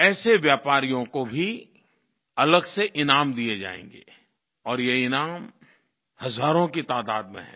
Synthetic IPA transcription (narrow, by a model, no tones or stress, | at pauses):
ɛːseʋjaːpaːɾijõkobʱi | ɐləɡseʔɪnaːmd̪ied͡ʒa̰ːḛ̃ːŋɡḛː | ɔːɾjeɪnaːm | hɐzaːɾõkit̪aːd̪aːd̪̚mḛ̃ɦɛ̰̃ː